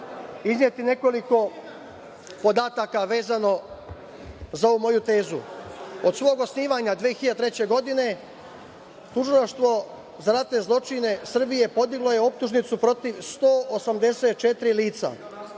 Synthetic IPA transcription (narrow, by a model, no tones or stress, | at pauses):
iznɲje̞t̪ine̞ko̞liko̞ | po̞d̪aːt̪akaʋe̞ːzano̞ | zaouːmo̞jut̪e̞ːzuo̞d̪sʋo̞ːɡo̞sniːʋaɲad̪ʋeːxiʎad̪t̪ɾe̞t͡ɕe̞ɡo̞d̪ine̞ | t̪uʒilˠaʃt̪ʋo̞ | zaɾat̪ne̞zlˠo̞t͡ʃine̞sr̩bije̞po̞d̪iɡlˠo̞je̞o̞p̚t̪uʒnit̪supɾo̞t̪iʋst̪o̞ːʔosamd̪e̞se̞t̪̚t͡ʃe̞t̪ɾiliːt̪sa̰